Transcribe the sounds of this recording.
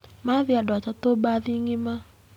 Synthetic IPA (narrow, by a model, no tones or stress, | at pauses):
maðjadat͡ʃatobaðiŋɪma